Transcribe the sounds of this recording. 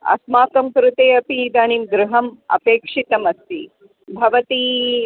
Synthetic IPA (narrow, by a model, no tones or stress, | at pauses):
ɐ̰smaːkɐmkɾut̪eːɐpid̪aːnimɡɾuɦɐmɐ̰peːkʂit̪ɐmɐst̪i | bʱɐʋɐt̪i